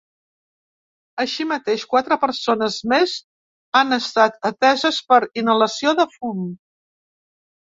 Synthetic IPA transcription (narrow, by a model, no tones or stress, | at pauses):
əʃimət̪eʃkwat̪ɾəpəɾsonəzmez | anəst̪at̪ət̪ɛzəspəɾinələsioðəfum